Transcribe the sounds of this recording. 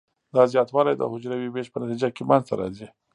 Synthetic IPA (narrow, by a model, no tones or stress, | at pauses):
d̪ɑzjɑt̪wɑlajd̪ə̰hʊd͡ʒɾawibeʃpənat̪id͡ʒakemanzt̪aɾɑ̰zi